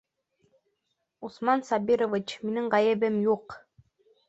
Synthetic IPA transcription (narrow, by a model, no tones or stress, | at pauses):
usmɑnsɑbʲiɾovʲit͡ɕminɘɴʁɑjɘ̆bɘmjuq